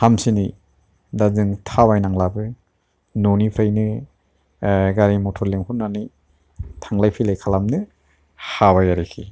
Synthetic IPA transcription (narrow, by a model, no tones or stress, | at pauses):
hamsini | dazɯŋtʰawajnaŋlabɯ | nɔnipʰɾajnɯ | ɡaɾimɔtʰɔɾleŋhʰunnːani | tʰaŋlajpʰilajkʰalamnɯ | hawajaɾikʰḭ